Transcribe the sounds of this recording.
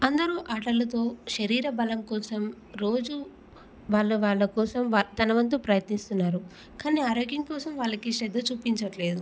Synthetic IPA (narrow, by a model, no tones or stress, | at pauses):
ɐnd̪ɐɾuʔaːʈɐlːɐt̪o̞ːʃɐɾiːɾɐbɐlɐmkɔːsɐm | ɾo̞ːd͡ʒu | ʋaːɭːuʋaːɭːɐkɔːsɐmʋat̪ɐnɐʋɐnt̪̬upɾɐjɐt̪nist̪unːaːɾu | kaːniːaːɾoːɡjɐŋkɔːsɐmʋaːɭːɐkiʃɛd̪ːɐt͡ʃuːpiɲt͡ʃɐʈle̞ːd̪u